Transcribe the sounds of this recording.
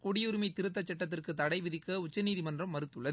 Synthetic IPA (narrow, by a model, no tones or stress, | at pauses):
kʊɽɪjʊɾɯmɐɪt̪ɪɾɯt̪̬ːɐt͡ʃːɛʈːɐt̪̬ːɪrkɯt̪ɐɽɐɪʋɪðɪkːɐʊt͡ʃːɐniːðimɐndrɐmːɐɾɯt̪ːɯɭːɐðɯ